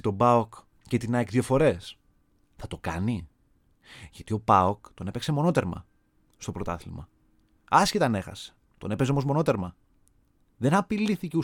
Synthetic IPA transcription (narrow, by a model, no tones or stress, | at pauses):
t̪o̞bɐok | cet̪inɐekðjɐfo̞ɾe̞s | θɐt̪o̞kɐ̰ni | ʝɐt̪io̞pɐokt̪o̞nepe̞ksemo̞no̞t̪e̞ɾmɐ̰ | st̪o̞pɾo̞t̪ɐθilmɐ | ɐscet̪ɐne̞xɐ̰se̥ | t̪o̞nepe̞zeomozmo̞no̞t̪e̞ɾmɐ | ðe̞nɐpiliθiceu